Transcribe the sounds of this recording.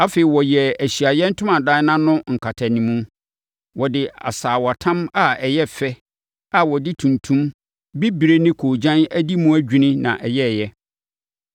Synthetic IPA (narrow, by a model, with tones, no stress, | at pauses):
a˦fe˨i˨wɔ˨jɛ˨æ˨ɕi˨a˨jɛ˦n̩˦tʰʊ̃˦mã˨dã˦nã˦nʊ̃˦ŋ̩˨kʰa˨tʰa˨nĩ˨mũ˦ | wɔ˨dɪ˨a̰˨saː˨wa˨tʰã˦ma˦˨ɛ˨jɛ˦fɛ˦ | a˨wɔ˨dɪ˦tʰũ˨ntʰũ˦m | bi˦bi˨ɾe˦nɪ̃˦kʰoː˨d͡ʑã˦næ˦di˦mũ˦æ˦d͡ʑᶣĩ˦nɪ̃˦nã̰˨ʔɛ˨jɛ˦˨jɛ˦